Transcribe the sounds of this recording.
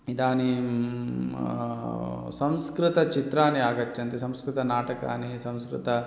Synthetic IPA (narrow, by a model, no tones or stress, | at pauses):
id̪aːni | sɐ̃m̃skɾɪt̪ɐt͡ʃit̪ɾaːniaːɡɐt͡ʃːɐnt̪isɐ̃mskɾɪt̪ɐnaːʈɐka̰ːnisɐ̃w̃skɾɪ̰t̪ɐ